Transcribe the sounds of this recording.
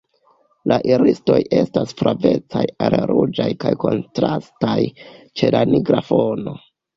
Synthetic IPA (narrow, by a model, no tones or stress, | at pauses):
lʔaʔiɾisto̞je̞stasfɾave̞t͡sajalɾud͡ʒajkajko̞ntɾastajt͡ʃe̞laniɡɾafono̞